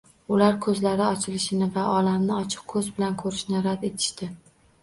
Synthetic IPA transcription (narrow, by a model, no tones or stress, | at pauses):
ʊlaɾkʰɵzlaɾɪɒt͡ʃʰɪlɪʃɪnɪvaʔɒlamnɪɒt͡ʃʰɨ̥q̚kʰːɵzbɪlankʰɵɾɪʃnɪɾad̪e̞t̪ʰɪ̥ʃt̪ɪ